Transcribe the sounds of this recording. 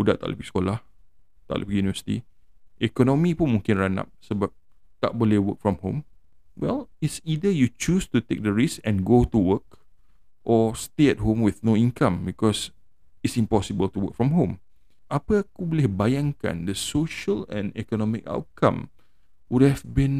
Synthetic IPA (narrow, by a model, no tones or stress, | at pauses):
udat̪a̰ʔlṵpikskolah | t̪a̰ʔlo̰pikjunivəsi̥t̪ḭ | ʔɛkɔnɔmipũnmũŋkɪ̃nɹana̰p̚səbap̚ | t̪aʔ̚bolewək̚fɹɔ̃mhõ̰m | wɛ̰lisidəjut͡ʃustut̪ek̚dəɹisɛ̃nɡotuwək | ʔɔsteɛt̚ɦõmwiθnoĩnkãmbikɔs | ɪtsĩmpɔsibəltuwə̰k̚fɹɔ̃mɦõm | ʔapəakubɔlihbajãŋkã̰ndəsoʃəlɛ̰̃nɛ̰kɔnɔmika̰ʊwt̚kʰã̰m | wud̚hɛvbĩn